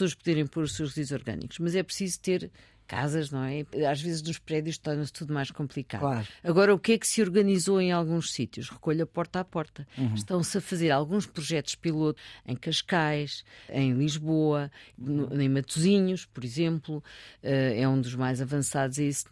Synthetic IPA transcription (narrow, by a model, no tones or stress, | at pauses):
soɐʃpuðeɾẽj̃poɾuʃsewʃʁzizzɔɾɣɐ̰nḭku̥ʃmɐzɛpɾsizut̪eɾ | ka̰zɐʒnɐ̃w̃ɛaʒvezʒnuʃpɾɛðjuʃt̪ɔɾnɐst̪uðumajʃkõmplˠika̰lˠaɾɐɣɔɾɐukɛksɨɔɾɣɐnizoẽj̃alˠɣũʃsit̪juʃʁɨkoʎɐpɔɾt̪apɔɾt̪ɐʃt̪ɐ̃w̃sɐfɐzeɾalˠɣũʃpɾuʒɛt̪uʃpilˠot̪u̥ɐ̃j̃kɐʃkajʃɐ̰̃j̃lˠiʒβoɐnuɐ̃j̃mɐt̪uziɲuʃpɔɾizẽmplˠuɛɛũd̪uʒmajzɐvɐ̃saðuzɛis